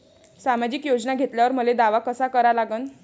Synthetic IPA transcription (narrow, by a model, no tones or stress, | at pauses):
samad͡ʑikjod͡znaɡʱet̪ljaʋəɾməled̪aʋakəsakəɾalaɡəːn